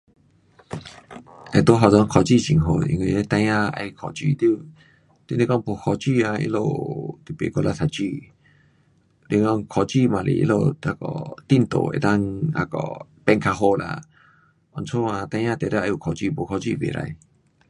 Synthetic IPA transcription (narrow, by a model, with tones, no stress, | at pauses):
a˧t̪o˦ɦɔ˧zɔ˧˦ŋkʰɔ˧t͡ɕi˥˧˨ɕi˨ŋɦo˧ḭ˧ŋwi˧e˦t̪ã˧jã˦˧a̰˧jkʰɔ˨t͡ɕḭ˧˨t̪i˧˨ | t̪i˧˨ni˧kɔ˥˧˨ŋpo˧kʰɔ˧t͡ɕi˥˧˨a˧ḭ˧˦lo˧˨t̪i˨˩pḛ˨kɔ˧˨la˧t̪ʰa˨t͡ɕi˧˨ | li˧˨kɔ˧˨ŋkʰɔ˧t͡ɕi˥˧˨mã˨˩lḛ˨ʔḭ˧˦lo˧t̪a˧˩kɔ̰˨t̪i˧˨nt̪o̰˨ḛ˨t̪a˦˧ŋa̰˧kɔ̰˨pɛ˧ŋkʰa˧ɦo˧la̰˧˨ | ɔ˧nt͡sʰo˦ã˧˨t̪ã˧j̃ã˦˧t̪e˨t̪a˧ʔa˧˨u˨kʰɔ˧˩t͡ɕi˧˨bo˧kʰɔ˧t͡ɕḭ˧˨bḛ˨la̰˧j